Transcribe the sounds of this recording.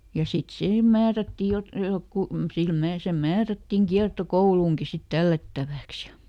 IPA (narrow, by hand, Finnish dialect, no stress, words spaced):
jɑ sit sihem mæːrætːiˑ jot jokːu sil mæː se mæːrætːiŋ kiɑrtokouluːŋki sit tælːætːæʋæˑks jɑ